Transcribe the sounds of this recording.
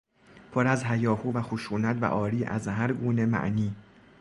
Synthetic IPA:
pʰoɾæzɦæjɒːhuːvæxoʃuːnæt̪ʰvæ̰ʔɒːɾiːʔæ̰zɦæɾɡuːne̞mæ̰ʔniː

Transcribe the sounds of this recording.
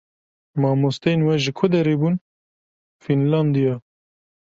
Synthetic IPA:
mɑːmost̪ɛjenwɛʒɨkʰʊd̪ɛɾebuːn | finlɑnd̪ijɑ

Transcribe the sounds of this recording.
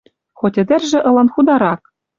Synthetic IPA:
xotʲɘ̆d̪ʲɘ̆rʒɘ̆ʔɤ̆lˠɤ̆nχud̪ɑɾɑk

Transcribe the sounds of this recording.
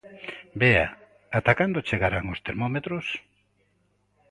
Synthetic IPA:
bea̰ | at̪akand̪ot͡ʃeɣaɾaŋost̪eɾmomet̪ɾos

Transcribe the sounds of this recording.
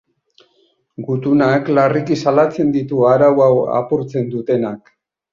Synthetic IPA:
ɡut̪unaklarikisalat͡se̞nd̪it̪uaɾawawa̰puɾt͡se̞nd̪ut̪e̞nak

